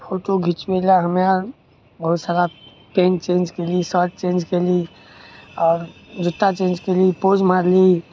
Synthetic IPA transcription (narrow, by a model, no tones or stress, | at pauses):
fʰoʈoɡʱit͡ʃbelaɦəmja | bəɦut̪saɾa | pẽnt͡ʃẽnd͡ʒkelisət̚t͡ʃẽnd͡ʒkeli | ɔːɾd͡ʒuʈːat͡ʃẽːnd͡ʒkelipod͡ʒmaɾli